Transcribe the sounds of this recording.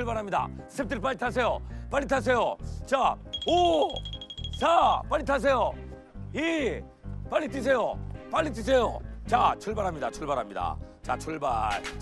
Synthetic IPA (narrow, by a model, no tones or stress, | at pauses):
ɯɭbaɾɦamɲida̰sʰep̚t͈ʰɯɾpaɭit̪ʰas̬ʰe̞jop͈alːitʰas̬ʰe̞jot͡ɕao | t͡ɕap͈aɭːitʰas̬ʰe̞jo | e | p͈aʎːit͈is̬ʰe̞jopaʎːit͈is̬ʰe̞jot͡ɕat͡ɕʰuɭbaɾɦamɲidat͡ɕʰuɭbaɾɦamɲida̰t͡ɕat͡ɕʰuɭba